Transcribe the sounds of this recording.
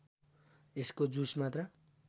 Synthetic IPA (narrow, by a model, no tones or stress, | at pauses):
eskod͡zusmat̪rʌ